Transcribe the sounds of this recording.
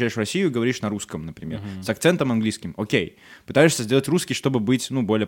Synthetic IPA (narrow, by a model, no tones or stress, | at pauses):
æɪʂvrɐsʲijʊiɡəvɐɾʲiʂnɐɾuskəmnəpɾʲɪ̰mʲersɐkt̪sɛnt̪əmɐnɡlʲiskʲɪmokʲej | pɨt̪ajɪʂsʲəzʲdʲe̞lˠətʲruskʲɪjʂt̪o̞bɨbɨtʲnubo̞lʲɪjə